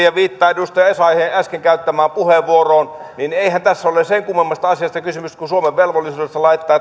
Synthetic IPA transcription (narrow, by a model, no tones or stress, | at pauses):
jɑʋiːt̪ːɑːedust̪ɑjɑesɑiheːʔæskeŋkæyt̪ːæmæːmpuheʋʋuoroːnnineihænt̪æsːæoleˑseŋkumːemːɑst̪ɑɑsiɑst̪ɑkysymyst̪kusuomeʋʋelʋolːisuːdest̪ɑlɑit̪ːˑɑː